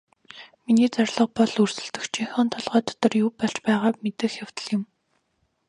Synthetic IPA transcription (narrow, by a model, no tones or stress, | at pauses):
miniːt͡sarɮə̆q̚pɔɮursɘ̆ɮt̪ɘ̆xt͡ɕʰiŋxɔːnt̪ʰɔɮʁœːt̪ɔ̥t̪ɞ̆rjupɔɮt͡ɕpæːʁaːpmet̪ɘ̆xjaw̥t̪ə̥̆ɮjɪ̆m